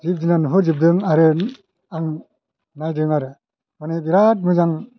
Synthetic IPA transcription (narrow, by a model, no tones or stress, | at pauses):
zip̚dinanɯɦɯzip̚dɯŋaɾɯ | aŋ | najdɯŋaɾɯ | manebiɾat̚mɯzaŋ